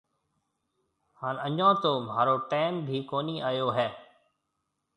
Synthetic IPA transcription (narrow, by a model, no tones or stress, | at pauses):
haːnəɲãːt̪oːmaːɾoːʈɛːmbʱiːkoːniːʔaːjoːɦɛː